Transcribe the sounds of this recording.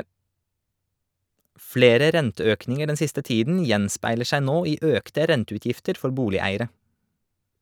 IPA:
ˈfleːɾɛ ˈɾɛntəˌøːknɪŋə ˈɖɛn ˈsɪstə ˈtiːdn̩ ˈjɛnspæɪləɾ ˈʃæ ˈnoː ˈiː ˈʔøːktɛ ˈɾɛntʉˌtjɪftəɾ ˈfɔɾ ˈbuːlɪˌæɪəɾə

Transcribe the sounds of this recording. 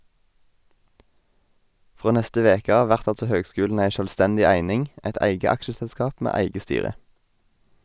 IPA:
ˈfʁoː ˈnɛstə ˈʋeːkə ˈɑːʋ ˈʋæʁt ˈɑltsɔ ˈhøːɡˌskʉːln̩ ˈæɪ ˈʃøːlˌstɛndɪ ˈæɪnɪŋ ˈʔɛt ˈæɪɡə ˈɑkʃəsɛlˌskɑːp ˈmeː ˈæɪɡə ˈstyːʁə

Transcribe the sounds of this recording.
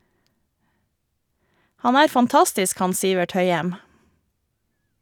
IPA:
ˈhɑn ˈæːɾ fɑnˈtɑstɪsk ˈhɑn ˈsiːʋɛʈ ˈhœʏɛm

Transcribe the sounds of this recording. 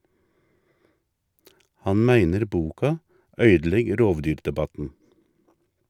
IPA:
ˈhɑn ˈmæɪnəɾ ˈbuːkɑ ˈœʏdl̩ˌɛɡ ˈɾoːʋˌdyːɾdɛˌbɑtn̩

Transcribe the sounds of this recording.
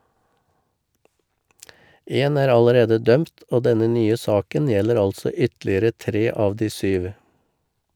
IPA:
ˈeːn ˈæːɾ ɑləˈɾeːdə ˈdœmt ˈoː ˈdɛnə ˈnyːə ˈsɑːkən ˈjɛləɾ ˈɑlsɔ ˈʏtlɪəɾə ˈtɾeː ˈɑːʋ ˈdiː ˈsyːʋ

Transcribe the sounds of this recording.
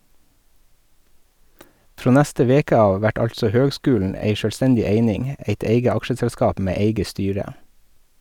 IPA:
ˈfɾoː ˈnæstə ˈʋeːkə ˈɑːʋ ˈʋæʈ ˈɑlsɔ ˈhøːɡˌskʉːln̩ ˈæɪ ʃœlˈstɛndɪ ˈeɪnɪŋ ˈeɪt ˈeɪɡə ˈɑkʃəsɛlˌskɑːp ˈmeː ˈeɪɡə ˈstyːɾə

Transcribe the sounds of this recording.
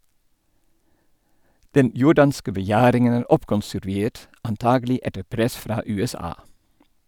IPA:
ˈdɛn ˈjʊɖɑnskə bəˈjæːɾɪŋən ˈæːɾ ˈɔpkɔnsʉɾˌʋeːt ɑnˈtɑːɡl̩ˌɪ ˈɛtə ˈpɾɛs ˈfɾɑː ˌʉːɛˈsɑː

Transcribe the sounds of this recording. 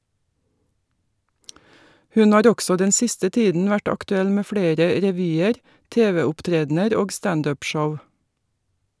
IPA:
ˈhʉn ˈhɑːɾ ˈɔɡsɔ ˈdɛn ˈsɪstə ˈtiːdn̩ ˈʋæʈ ɑktʉˈɛl ˈmeː ˈfɽeːɾə ɾɛˈʋyːəɾ ˈteːʋɛʊpˌtɾeːdnəɾ ˈoːɡ ˈstɑnd ˈøːp ˈʃɔʋ

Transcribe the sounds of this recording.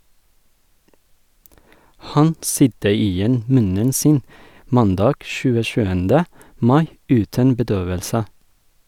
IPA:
ˈhɑn ˈsʏdə ˈiːˌjɛn ˈmʉnən ˈsiːn ˈmɑnˌdɑːɡ ʃʉːəˈʃʉːəndə ˈmɑɪ ˈʉːtən bəˈdøːʋəlsə

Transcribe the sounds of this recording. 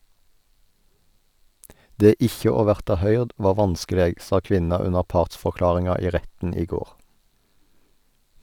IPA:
ˈdeː ˈɪçə ˈoː ˈʋæʁtɑ ˈhœʏʁd ˈʋɑː ˈʋɑnskəˌleːɡ ˈsɑ ˈkʋɪnɑ ˈʉnəʁ ˈpɑːʁtsfɔʁˌklɑːʁɪŋɑ ˈiː ˈʁɛtn̩ ˈiː ˈɡoːʁ

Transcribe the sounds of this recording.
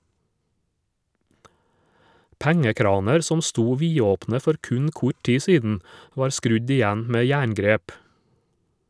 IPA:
ˈpæŋəˌkɾɑːnɛɾ ˈsɔm ˈstuː ˈʋiːoːpnə ˈfɔɾ ˈkʉɲ ˈkʊ ˈʈiː ˈsiːdn̩ ˈʋɑːɾ ˈskɾʉɟ ɪˈjæn ˈmeː ˈjæːɳˌɡɾeːp

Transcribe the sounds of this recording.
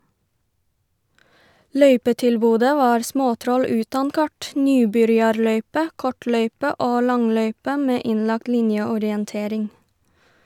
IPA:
ˈlœʏpətɪlˌbuːdə ˈʋɑːɾ ˈsmoːˌtɾɔl ˈʉːtɑn ˈkɑʈ ˈnyːbʏɾjɑɾˌlœʏpə ˈkɔˌʈlœʏpə ˈoː ˈlɑŋˌlœʏpə ˈmeː ˈɪnˌlɑk ˈlɪnjəɔɾɪənˌteːɾɪŋ

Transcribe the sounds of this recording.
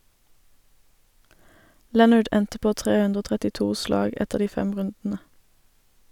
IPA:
ˈlɛnʌɖ ˈɛntə ˈpoː ˈtʁeː ˈʉndʁ ˈoː tʁɛtɪˈtuː ˈslɑːɡ ˈɛtəʁ ˈdiː ˈfɛm ˈʁʉndn̩ə

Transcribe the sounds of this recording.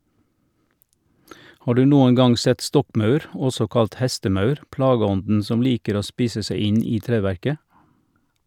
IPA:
ˈhɑː ˈɖʉː ˈnuːən ˈɡɑŋ ˈsɛt ˈstɔkˌmɑʉɾ ˈɔsɔ ˈkɑlt ˈhɛstəˌmɑʉɾ ˈplɑːɡəˌɔndn̩ ˈsɔm ˈliːkəɾ ˈoː ˈspiːsə ˈsæɪ ˈɪn ˈiː ˈtɾeːˌʋæɾkə

